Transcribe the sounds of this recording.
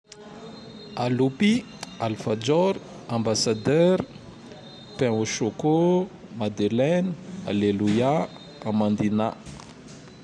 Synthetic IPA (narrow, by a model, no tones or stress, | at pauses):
alupi | alfad͡ʒɔɾ | ãmbasad̪ɛɾ | pɛ̃uʃoko | mad̪elɛnəa̰leluja | amand̪ina